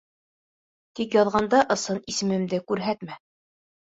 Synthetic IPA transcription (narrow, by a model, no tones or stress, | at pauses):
t̪ikjɑðʁɑnd̪ɑʔɤ̆sɤnisɘ̆mɘ̆md̪ɘkʉɾɦæt̪mæ